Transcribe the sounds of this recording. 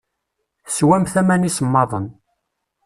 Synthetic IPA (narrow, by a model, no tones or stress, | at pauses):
swæmθæmænisəmːɑðˤən